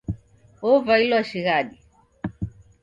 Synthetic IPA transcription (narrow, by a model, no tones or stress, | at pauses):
ɔvailwaʃiɣaɗi